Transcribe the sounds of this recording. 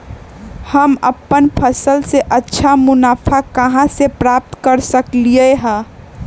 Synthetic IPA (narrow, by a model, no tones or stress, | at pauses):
həməpːənpʰəsəlseʔətːʃʰamʊnaːpʰakəɦãsepɾaːp̚t̪kəɾsəklieɦɛ̃